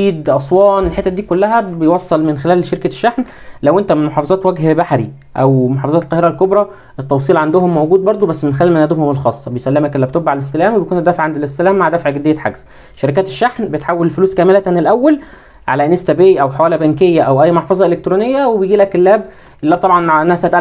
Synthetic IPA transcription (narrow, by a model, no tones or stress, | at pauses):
iːd̪ʔɑsˤwɑːnelħet̪ːæd̪iːkolːæɦæbejwɑsˤːɑlmenxelæːlʃeɾkæʃːaħn | læwʔent̪æmenmoħɑːfɑzˤɑːt̪wæɡhbaħɾḭ | ʔæ̰wmoħɑːfɑzˤɑːt̪lqɑːheɾælkobɾˤɑ | ʔet̪ːɑwsˤiːlʕand̪ohomːowɡuːd̪̚bɑɾˤd̪ˤobæsːmenxelæːlmænæd̪ebhomelxɑːsˤːɑbejsælːemækelːib̚t̪obaʕalesːælæːmwebejkuːnetd̪ːæːfeʕand̪elesːælæːmːaʕd̪æfʕɡed̪ejːæħa̰ɡs | ʃæɾek̬æːt̪e̥ʃːaħnbet̪ħawːællfluːskæːmelæænelʔæwːæl | ʕa̰læʔenest̪æbeʔiʔæwħawæːlæbæŋkejːæʔæwʔæjːmoħfɑzˤɑʔelek̚t̪ɾuːnejːæwebejɡiːlækelːæːb | ʔelːæːb̚t̪ɑbʕɑnʔenːæhæsææt̪ʔæ